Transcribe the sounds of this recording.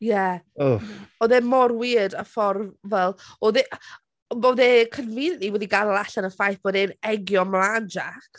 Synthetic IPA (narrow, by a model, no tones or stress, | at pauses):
jɛoɔðemɔrwiːdəfɔrvɛlˠɔðeʔ | boðekʰənviːnʔiwɛdiɡanlˠaɬanəfajθbɔdɪnɛɡjɔmlˠaːnd͡ʒakʰ